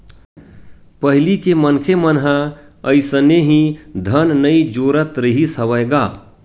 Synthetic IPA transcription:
pəɦɪlikemənkʰemənɦã | əɪsəneɦĩd̪ʱənnəid͡ʒoːɾət̪ɾiɦisəʋəɡaː

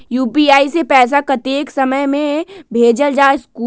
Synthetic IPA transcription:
juːpiaːisepɛːs̬akət̪eːksəməjmẽbʱeːd͡ʒəld͡ʒaːskuː

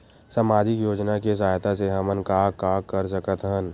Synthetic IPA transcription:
saːmaːd͡ʒɪkjoːd͡ʒnakes̬aːjt̪aseɦɐmənkaːkaːkəɾs̬əkət̪ɦən

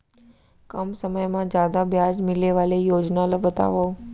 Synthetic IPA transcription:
kəmsəməjmãd͡ʒjaːd̪abjaːd͡ʒmɪleʋaːlejoːd͡ʒnalobət̪a̰ʋo

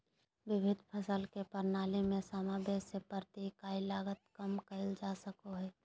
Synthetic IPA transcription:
ʋɪbʱɪd̪ʱpʰəsəlkepəɾnaːlimẽsaːmabesepəɾt̪ikaːilaːɡət̪̚kəmkəɪld͡ʒaːsəkoɦɛː

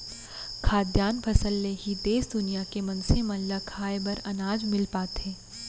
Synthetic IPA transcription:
kʰaːd̪jaːnpʰɐsəlːeɦid̪eːsd̪ʊnijakemɐ̃nsemɐ̃lɐkʰaːebɐɾɐnaːd͡ʒmɪlpaːt̪ẽː

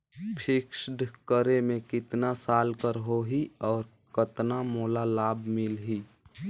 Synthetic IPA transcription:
pʰɪksɖkəɾemẽkɪt̪nasaːlkəɾɦoɦiɔːɾ | kət̪namoːlalaːbmɪlɦi

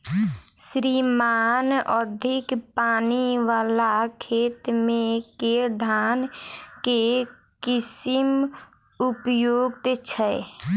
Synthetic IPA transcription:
sɾimaːnəd̪ʱɪkpaːniʋaːlakʰeːt̪mẽkeɾd̪ʱaːnke | kɪsim | upjoːɡ̚t̪t͡ʃʰɛ

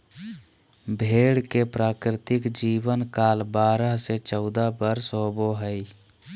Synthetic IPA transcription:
bʱeːɽkepɾaːkɾɪt̪ɪkd͡ʒiːbənkaːlbaːɾəɦset͡ʃɔʊd̪abəɾsɦoboɦəi

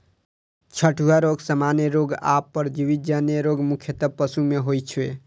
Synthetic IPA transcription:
t͡ʃʰəʈuaɾoɡsəmaneɾoɡa̰pːəɾd͡ʒibit̪̚d͡ʒanjeɾoɡmukʰjət̪əb̚pəsumeɦojt͡ʃʰwe

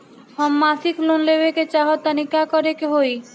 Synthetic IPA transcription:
hɔmːasiklonlebeket͡ʃaɦɔt̪ːanikakɔɾekeɦoj

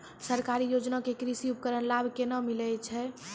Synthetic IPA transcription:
səɾkaɾijod͡ʒnakekɾisiupəkəɾənlabʱkenəmilɛt͡ʃʰɛ

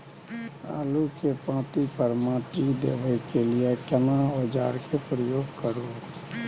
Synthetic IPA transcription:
a̰ːlukepãːt̪ipəɾmãʈid̪ḛːʋəkelɪekəmaod͡ʒaːɾkepɾəjoːɡkəɾo

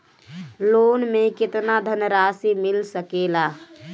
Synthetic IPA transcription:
loːnmekɪt̪nad̪ʱənəɾasimilsəkela

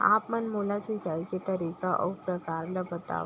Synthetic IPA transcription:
a̰pmənmulat͡sid͡ʑalket̪əɾikaʔə̰wpɾəkaɾləbət̪a̰ʋ

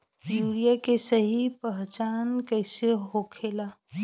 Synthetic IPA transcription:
juːɾijakesəɦipəɦt͡ʃaːnkəɪseɦokʰeːlaː

